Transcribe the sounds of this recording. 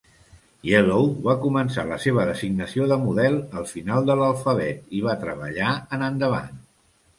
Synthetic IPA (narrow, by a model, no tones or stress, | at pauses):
jelowβakumənsa̰ləseβ̞əðəziɡnəsioðəmuðɛlˠəlˠfinalˠd̪ələlˠfəβɛt̪iβ̞at̪ɾəβəʎaənənd̪əβ̞a̰n